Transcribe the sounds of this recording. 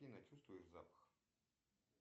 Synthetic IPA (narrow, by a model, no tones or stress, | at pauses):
inɐt͡ɕust̪vʊjɪʂzapə̥x